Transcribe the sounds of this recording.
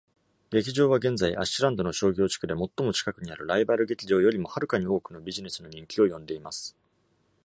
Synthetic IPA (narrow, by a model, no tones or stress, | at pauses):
ɡe̞kʲiʑo̞ːβ̞aɡẽ̞nzaiʔa̰ɕiɾãnd̪o̞no̞ɕo̞ːɡʲo̞ːt͡ɕi̥kɯ̟d̪e̞mo̞t̪ːo̞mo̞t͡ɕi̥kakɯ̟ɲ̟iaɾɯ̟ɾaibaɾɯ̟ɡe̞kʲiʑo̞ːjo̞ɾʲimo̞haɾɯ̟kaɲ̟io̞ːkɯ̟no̞bʲiʑine̞sɨno̞ɲ̟ĩŋkʲio̞jõ̞nd̪e̞imasɨ̥